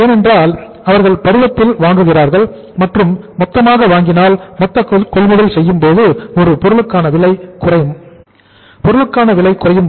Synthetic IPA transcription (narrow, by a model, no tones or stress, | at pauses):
eːnɛndraːl | ɐʋɐɾɣɐɭpɐɾɯʋɐp̪ːɪlʋaːŋɡɯɣɪraːɾɣɐɭ | mɐʈrɯmːɔt̪ːɐmaːɣɐʋaːŋɡɪnaːlmɔt̪ːɐkɔɭʋɪɣɐɪsɛjːɯmpoːðɯɔɾɯpɔɾɯɭɯkːaːnɐʋɪɭɐɪkːʊrɐm | pɔɾɯɭɯkːaːnɐʋɪɭɐɪkːʊrɐjɯm